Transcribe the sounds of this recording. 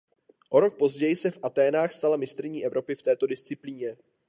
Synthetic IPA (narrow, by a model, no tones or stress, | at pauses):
ʔo̞ɾo̞k̚po̞zɟɛjɪsɛfʔat̪ɛːnaːxst̪alamɪst̪ɾɪɲiːʔɛvɾo̞pɪft̪ɛːt̪o̞dɪst͡sɪpliːɲɛ